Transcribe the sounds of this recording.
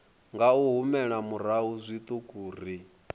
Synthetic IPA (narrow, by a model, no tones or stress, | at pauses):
ŋɡauɦumɛɺamuɾaɦuzʷit̪ʼukʼuːr̤i